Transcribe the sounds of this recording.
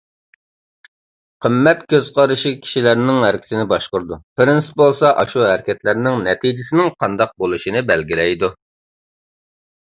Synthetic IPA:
qʰəmːɛt̪kʲøz̥qʰɑɾɨʃikʲʰi̥ʃilæɾnɪŋɦæɾkʲʰɪ̥sɪnɪbɑʃqʊɾd̪upɪɾɪnsɪ̥pbolˠsɑʔɑʃuɦæɾkʲɛt̪læɾnɪŋnɛt̪ʰid͡ʒɪsɪnɪŋqʰɑnd̪ɑq̚bolˠuʃinɪbɛlɡʲilɛjd̪u

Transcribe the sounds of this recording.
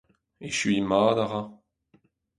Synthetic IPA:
eʃyɥimaːd̪aʁa

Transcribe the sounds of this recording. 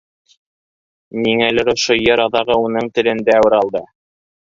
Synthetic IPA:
niŋælɘɾŏʃojɤɾɑðɑʁɤunɤɴt̪ɘ̆lɘ̆nd̪æːwɘ̆ɾɑlˠd̪ɤ

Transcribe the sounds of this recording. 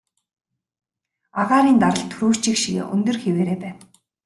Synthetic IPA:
aʁaːɾiːnt̪aɾə̆ɬt̪ʰuɾuːt͡ɕĭkʃiɣḛːʔɵ̰nt̪ɵ̆rxeweːɾeːpæːn

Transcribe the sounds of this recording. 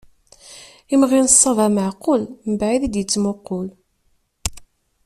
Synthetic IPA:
imʁinəsˤːɑvæməʕqːʊlmbʕiðid̪jət͡sːmʊqːʊl

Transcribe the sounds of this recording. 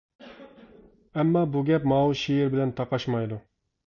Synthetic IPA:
ɛmːɑːbuɡʲɛpmɑwuʃijɪɾbɪlɛnt̪ʰɑqɑʃmɑjd̪u

